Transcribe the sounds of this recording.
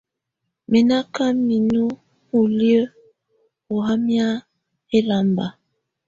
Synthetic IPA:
me˨na˦ka˦mi˨nu˦ | u˨ljə˦ | o˨ɦa˦mja˦ | e˦la˨mba˨

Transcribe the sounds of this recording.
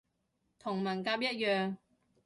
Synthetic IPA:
t̪ʰʊ˨˩ŋmɐ˨˩nkaː˧p̚jɐ˥t̚jœː˨ŋ

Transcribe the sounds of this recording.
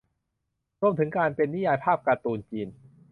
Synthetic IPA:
ɾu˧əmt̪ʰɯ˩˦ŋkaː˧npe˧nːi˦˥jaː˧jpʰaː˥˩p̚kaː˧t̪uː˧nt͡ɕiː˧n

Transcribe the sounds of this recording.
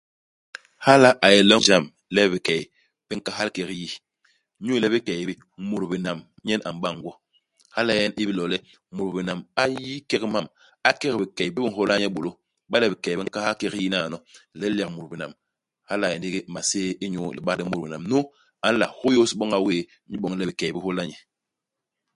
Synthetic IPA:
ha˦la˦ʔa˨jɛ˨lɔ˦ŋd͡ʒa˦˨m | lɛ˦bi˨kɛ˨j | b̥i˦ŋ̩˦ka˦ɦa˦lkɛ˨ɣji˦ | ɲu˦lɛ˦bi˦kɛ˨bi˦ | mu˨ɾbi˨na˨m | ɲɛ˦na̰˨m˨ɓa˦˨ŋ˦ɡwɔ˦ | ha˦la˦jɛ˦ni˦bi˦lɔ˨lɛ˦ | mu˨ɾbi˨na˨ma˦ji˦kɛ˦kma˦˨m | a˦kɛ˦ɣbi˨kɛ˨bi˦bi˦ŋ̩˨ho˦la˦ɲɛ˦ɓo˨lo˦ | ɓa˦lɛ˦˨bi˨kɛ˨bi˦ŋ̩˦ka˦ha˦kɛ˦ɣji˦na˦˨nɔ˨lɛ˦la˨kmu˨ɾbi˨na̰˨m | ha˦la˨jɛ˨ndi˦ɡi˦˨ma˨seː˦i˦ɲo˦˨lɛ˨ɓa˦di˦mu˨ɾi˨na˨mno˦ | a˨n̩˦la̰˨ho˦jo˦si˨˦ɓɔ˦ŋa˨weː˦i˦ɓɔ˨ŋ˦lɛ˦bi˨kɛ˨bi˦ho˦la˦ɲɛ˨

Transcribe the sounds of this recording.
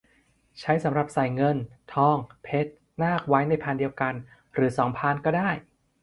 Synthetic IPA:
t͡ɕʰa˦˥jsa˩˦mɾa˨˩p̚sa˨˩jŋɤ˧nt̪ʰɔː˧˥˩ŋpʰe˦˥t̪̚ | naː˥˩k̚wa˦˥jna˧jpʰaː˧ndi˧əwka˧n | ɾɯː˩˦sɔː˩˦ŋpʰaː˧nkɔː˥˩daː˥˩j

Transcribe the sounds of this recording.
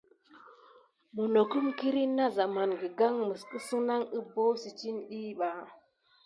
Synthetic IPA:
bu˨no˨ku˦mki˦ɾi˦nːa˦za˨ma˨nɡi˨ɡa˦ŋmə˨skə˦si˦na˦ŋə˦bo˦si˨t͡ʃi˦nɗi˦ɓa˨

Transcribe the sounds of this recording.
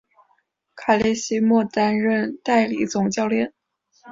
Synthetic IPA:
kʰa˨˩li˥˩ɪɕi˥mwɔ˥˩t̪a˥nɻə˥˧nt̪a˥˩ɪli˨˩˥t͡sʊ˨˩ŋt͡ɕjɑ˥˧ʊljɛ˥˩n

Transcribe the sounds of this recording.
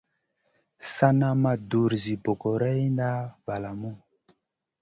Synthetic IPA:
sa˦na˦ma˦du˨ɾzi˨bo˨ko˨ɾɛ˦jnda˦va˨la˨mu˦˨

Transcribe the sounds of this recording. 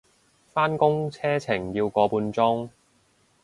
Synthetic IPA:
faː˥nkʊ˥ŋt͡sʰɛː˥t͡sʰɪ˨˩ŋjiː˧wkɔː˨˥puː˧nt͡sʊ˥ŋ

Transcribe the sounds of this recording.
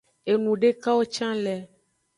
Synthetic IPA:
e˨nũ˨ɖe˦ka˦wo˦t͡ʃã˦lɛ˨

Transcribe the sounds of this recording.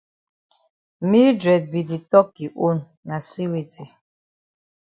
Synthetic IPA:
mi˦dɾɛ˨d̚bi˨di˨tɔ˦k̚i˨ʔo˦nːa˨si˦wi˨ti˨

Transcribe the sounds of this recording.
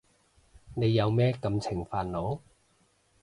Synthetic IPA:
ne˨˧jːɐ˨˧wmɛː˥kɐ˧mt͡sʰɪ˨˩ŋfaː˨˧nlo˨˧˥w

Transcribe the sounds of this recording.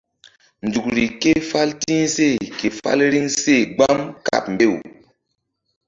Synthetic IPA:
nd͡zu˨k̚ɾi˨ke˦fa˦ltĩ˦ŋse˦˨ke˨fa̰˦lɾi˦ŋse˦˨ɡ͡ba˦mka̰˨p̚mbe˦˨w

